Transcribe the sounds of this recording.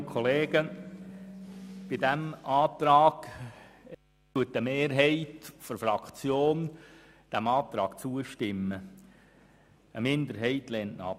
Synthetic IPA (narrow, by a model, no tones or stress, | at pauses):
kʰɔleːɡ̥ə | b̥ɪdæmɑːt̪ɾɑːɡ | tuətəmeːɾɦɛɪtfəɾfɾɑkt͡sjoːn | d̥æmɑːt̪ɾɑːkt͡suəʃtɪmə | əmɪnd̪əɾɦɛɪtlɛntnɑ̰ː